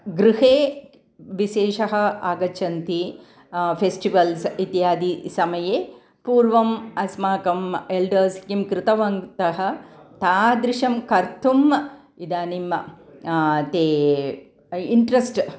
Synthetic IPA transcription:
ɡɾuɦeː | ʋiʃeːʃɐɦɐ̆aːɡɐt͡ʃɐnt̪i | pʰesʈiʋɐlsit̪jaːd̪isɐmɐjeː | puːɾʋɐmɐsmaːkɐmelɖɐɾskimkɾɪt̪ɐʋɐŋt̪ɐɦɐ̆t̪aːd̪ɾɪʂɐmkɐɾt̪ʰum | id̪aːnim | t̪eː | iɳʈɾɐsʈ

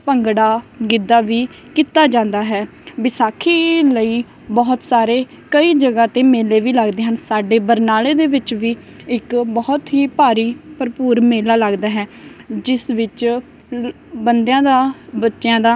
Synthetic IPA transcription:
pəŋɡɽaːɡɪd̪aːʋiː | kit̪aːd͡ʒãːnd̪aːɦɛː | bɪsaːkʰiːləiː | bɔːt̪saːɾeː | kəiːd͡ʒəɡãːt̪ẽːmeːleːʋiːləɡd̪eːɦənsaːɖeːbəɾnaːleːd̪eːʋɪt͡ʃʋiː | ɪkbɔːt̪ɦiːpaːɾiːpəɾpuːɾmeːlaːləɡd̪aːɦɛːd͡ʒɪsʋɪt͡ʃ | bənd̪jãːd̪aːbətːʃjãːd̪aː

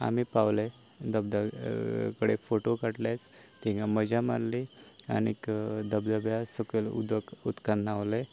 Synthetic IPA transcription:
a̰mipawle | d̪əb̚d̪akəɽefoʈokaʈles | t̪iŋɡaməd͡ʒama̰ɾlia̰nikd̪əbd̪əbjasəkəlṵd̪əkut̪kanːawle

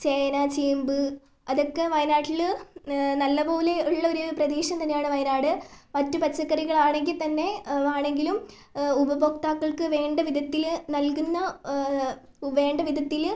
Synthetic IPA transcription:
t͡ɕejɐnɐt͡ɕiːmbɨ | ɐðokːe̞ʋɐjɐnaːʈːil | nɐlːɐbo̞ːle̞uɭːɐoɾuprɐd̪eːɕɐmt̪ɐnːejaːɳɨʋɐjɐnaːɽɨmɐtːupɐt͡ɕːɐkːɐɾiɣɐɭaːɳe̞ŋɡilt̪ɐnːe̞aːɳe̞ŋɡilum | ubɐbokt̪aːkːɐɭkɨʋe̞ːɳɖɐʋid̪ʱɐt̪ːilnɐlkunːɐ | ʋe̞ːɳɖɐʋid̪ʱɐt̪ːil

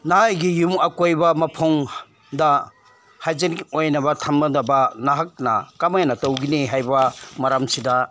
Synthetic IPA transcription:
naajɡijumɐkojbɐmɐpʰoŋ | dɐ | hajzeniojnɐbɐtʰɐmɐdɐbɐnaɦak̚nɐ̰kamajnɐtowɡiniɦajbɐmɐɾamsida

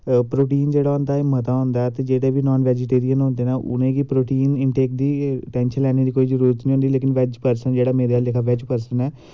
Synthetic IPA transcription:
pɾoːʈiːnd͡ʒeːɽaːɦʊ̃nd̪aːemət̪aːɦʊ̃nd̪aɛt̪eːd͡ʒeːɽeːʋiːnɔːnʋɛːd͡ʒɪʈeːɾijənɦõːnd̪eːnaːʔʊ̰nẽːkipɾoːʈiːnɪɳʈeːk̚d̪iːʈɛ̃ːnʃəlɛːneːd̪iːkoːiːzəɾuːɾət̪nĩɦõːnd̪iːleːkɪnʋɛd͡ʒpəɾsənd͡ʒeːɽaːmẽːd̪aːlekʰaːʋɛd͡ʒpəɾsənɛː

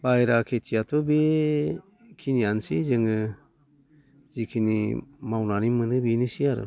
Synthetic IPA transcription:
bajɾakʰetʰiatʰɔbe | kʰiniansizɯŋɯ | z̥ikʰinḭmawnanimɯnɯbinisiaɾɯ̰

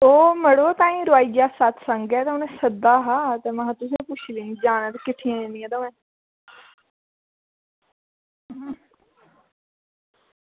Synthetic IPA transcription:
oːməɽoːt̪ãːĩːɾʊaːiːɡjaːsat̪ʰsəŋɡɛːt̪ẽʊnẽːsəd̪aːɦaːt̪eːmãːt̪ʊsĩpʊt͡ʃʰlĩːid͡ʒaːɽ̃ɛːt̪ekɪʈʰːiãːeniãːd̪əːɛ̃ː

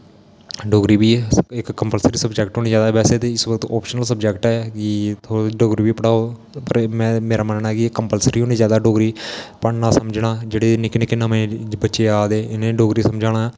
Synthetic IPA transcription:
ɖoːɡɾiːbiːɪkːəmpəlsɾiːsəbd͡ʒɛːk̚ʈɦoːniːd͡ʒjaːd̪abɛːseːt̪eːɪsʋəkt̪ɔ̰ːpʃənəlsəb̚d͡ʒɛːkʈɛːkit̪ʰoːɖoːɡɾiːbiːpəɽaːoː | pəɾmɛ̃ːmeːɾaːmənnakikːəmpəlsɾiːɦoːniːzjaːd̪aːɖoːɡɾiːpəɳnãːsəmd͡ʒnaːd͡ʒeːɽeːnɪːkɪnẽːkɪnãːmẽːbətːʃeːaːd̪eːɪnẽːɖoːɡɾiːsəmd͡ʒaːɽ̃aː

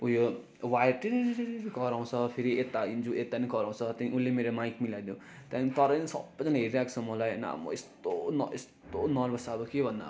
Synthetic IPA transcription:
ujo | wajʈiniɾiɾɾeɾɡʌɾaw̃t͡sʰʌpʰeɾiet̪ːaind͡zuʔet̪anikʌɾaw̃t͡sʰʌt̪jãĩʔulːemeɾomajkmilajd̪jũ | t̪jãnt̪ʌɾʌnisʌ̰bʌd͡zanaɦeɾiɾakt͡sʰʌmʌlajna̰mʌ̰est̪onʌest̪onʌlbʱʌsabokebʱʌnːa̰

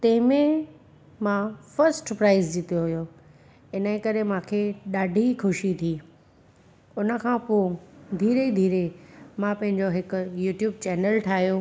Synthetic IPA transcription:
t̪ɐ̃ːmẽ | mãfɐɾsʈpɾaːɪzd͡ʑit̪ijoɦʊjoː | ɪnə̃kɐɾemãːkʰeːɗaːɖʱixʊʃit̪ʰiː | ʊnə̆kʰãpod̪ʱiːɾed̪ʱiːɾemãpɐ̃ɦɪ̃ɲd͡ʑoɦɪkʊjuːʈjuːb̚t͡ɕɛːnəlʈʰaːɦijo

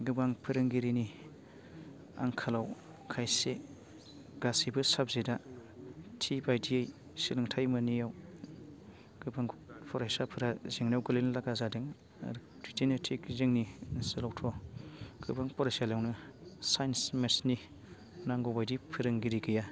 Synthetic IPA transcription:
ɡɯbaŋpʰɯɾɯŋɡiɾini | a̰ŋkʰalaw | kʰajse | ɡ̥asibɯsab̚zeda | tʰibajdiej | silɯŋtʰajmɯnijaw | ɡ̥ɯbaŋpʰɔɾajsapʰɯɾazeŋnawɡɯlenlaɡazadɯŋ̰ | ɾ | ditʰinɯtʰikzeŋninsɯlawtʰɔɡ̥ɯbaŋpʰɔɾasalawnɯsajnsmesni | naŋɡobajdipʰɯɾɯŋɡiɾiɡɯja

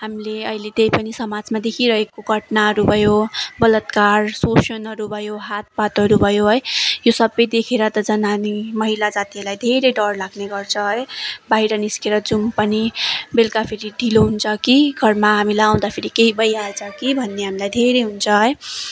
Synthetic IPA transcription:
ɦamileʌ̰ilet̪ejpʌnisʌmad͡zmad̪ekʰiɾʌɦekoɡʱʌʈnaɦʌɾubʱʌjobʌlʌt̪kaɾsosʌnɦʌɾubʱʌjoɦat̪̚pat̪ɦʌɾubʱʌjoɦʌjjosʌbːʌjd̪ekʰeɾʌt̪ʌd͡zʌnanimʌɦilad͡zat̪iʌlajd̪ʱeɾejɖʌɾlaɡneɡʌɾt͡sʰʌɦʌjbaɦiɾʌniskeɾʌd͡zumpʌnibelkapʰiɾiɖʱiloɦunt͡sʰʌkiɡʱʌɾmaɦamilaãw̃d̪apʰiɾikeɦibʌjalt͡sʰʌkibʱʌnːeɦamilajd̪ʱeɾejɦunt͡sʰʌɦʌj

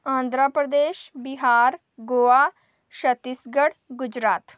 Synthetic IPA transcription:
ãːnd̪ʱɾapɾəd̪eːʃbɪɦaːɾ | ɡoːaː | ʃət̪ɪsɡəɽɡʊd͡ʒɾaːt̪

